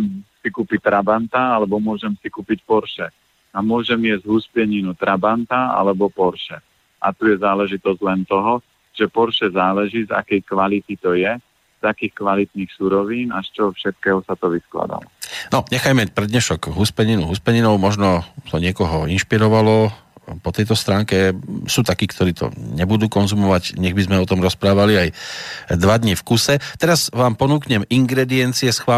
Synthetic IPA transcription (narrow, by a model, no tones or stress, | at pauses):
msikuːpic̚t̪ɾabant̪aalɛbɔmʊɔʒɛmsikuːpicpɔɾʃɛ | amʊɔʒɛmɪɛzɟɦuspɪɛɲinut̪ɾabant̪aa̰lɛbɔpɔɾʃɛ | ʔa̰t̪ujɛzaːlɛʒit̪ɔzɟlɛnt̪ɔɦɔ | ʒ̥ɛpɔɾʃɛzaːlɛʒiːza̰kɛjkʋalit̪it̪ɔjɛ | z̥akiːxkʋalit̪niːxsuːɾɔʋiːnaʃt͡ʃɔfʃɛt̪̚kɛːɦɔsat̪ɔʋiskla̰d̪a̰lɔ̰nɔɲɛxajmɛpɾɛd̪ɲɛʃɔɡɦuspɛɲinuɦuspɛɲinɔʊmɔʒnɔt̪ɔɲɪɛkɔɦɔinʃpiɾɔʋalɔpɔt̪ɛjt̪ɔst̪ɾaːŋkɛsuːt̪akiːkt̪ɔɾiːt̪ʰɔ̰ɲɛbud̪uːkɔnzumɔʋaɟɲɛɣbizmɛɔt̪ɔmɾɔspɾaːʋaliajd̪ʋad̪ɲifkusɛt̪ɛɾazʋaːmpɔnuːkɲɛmiŋɡɾɛd̪iɛnt͡siɛsxʋaː